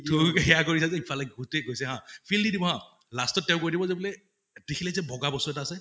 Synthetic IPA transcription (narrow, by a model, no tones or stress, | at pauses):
tʰʊɦɛjakoɹisazɛipʰalɔɡutɛɡojsɛɦãpʰildidibɔɦã | lastɔt̚ːɛʊ̃koɹidibɔzebulɛ | dekʰilɛzɛbɔɡabɔsɔɛtaːsɛ